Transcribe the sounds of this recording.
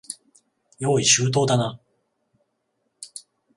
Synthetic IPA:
jo̞ːiɕɨːt̪̬o̞ːd̪ana

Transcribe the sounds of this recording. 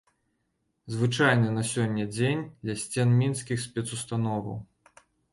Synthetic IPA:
zvɨt͡ʂajnɨnɐsʲɔnʲːɐd͡zʲenʲd̪lʲɐsʲt͡sʲɛnmʲinskʲixsʲpʲɛt̪sust̪anɔvɐ̰w

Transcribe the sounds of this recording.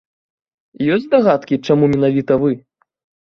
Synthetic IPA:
jɔsʲd̪aɣat̪kʲit͡ʂamumʲɛnavʲit̪ɐvɨ

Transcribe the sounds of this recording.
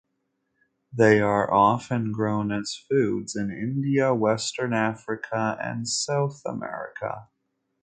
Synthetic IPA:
ðeɪə˞ʔɑfɨ̃nɡɹõʊ̃nɨz̥fʉdz̥ɨ̃nɪ̰̃ndiəwɛstə̃˞næfɹɨkʰəɨ̰̃nsaʊθə̰mɛ̰ɹɨ̰kʰə̰

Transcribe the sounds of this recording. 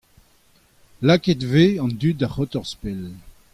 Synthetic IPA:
laketveɑ̃nd̪yt̚daχɔt̪ɔʁspel

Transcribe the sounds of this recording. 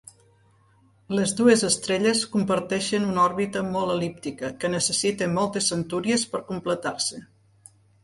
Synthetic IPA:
lezd̪uezəst̪ɾeʎeskumpəɾt̪ɛʃənunɔɾβit̪əmɔlˠəlip̚t̪ikəkənəsəsit̪emɔlˠt̪əsːənt̪uɾiespəɾkumplət̪arsə

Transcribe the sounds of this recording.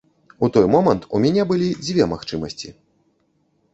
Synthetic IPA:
ut̪ɔjmɔmɐnt̪umʲanʲɛbɨlʲid͡zʲvʲɛmaxt͡ʂɨmɐsʲt͡sʲḭ

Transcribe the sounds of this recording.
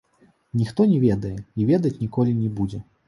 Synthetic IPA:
nʲixt̪ɔnʲɛvʲɛd̪ɐjɛivʲɛd̪ɐt͡sʲnʲikɔlʲinʲɛbud͡zʲɛ

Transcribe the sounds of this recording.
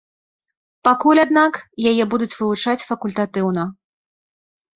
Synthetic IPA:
pakulʲad̪nakjajɛbud̪ut͡sʲvɨvut͡ʂat͡sʲfɐkulʲt̪at̪ɨwnɐ

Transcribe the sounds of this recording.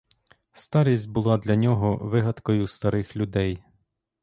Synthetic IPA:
st̪ɑɾʲisʲtʲbʊlˠɑd̪lʲɐnʲɔɦɔʋɪɦɐd̪kɔjʊst̪ɐɾɪxlʲʊd̪ɛj

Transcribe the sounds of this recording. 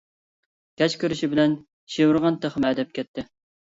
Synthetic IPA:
kʲɛt͡ʃkʲøɾɪʃibɪlɛn | ʃewuɾʁɑnt̪ʰəχmɛd̪ɛp̚kʲʰɛt̪ʰːɪ

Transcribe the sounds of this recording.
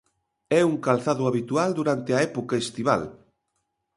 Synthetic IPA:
ɛuŋkalθaðʊaβit̪uald̪uɾant̪ɪɐɛpokaest̪iβa̰l

